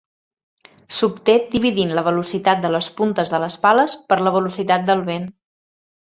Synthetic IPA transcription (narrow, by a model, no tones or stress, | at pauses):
sup̚t̪ed̪iβ̞iðinləβəlusit̪at̪̚d̪ələspunt̪əzðələspaləspəɾləβ̞əlusit̪at̪̚d̪əlˠβen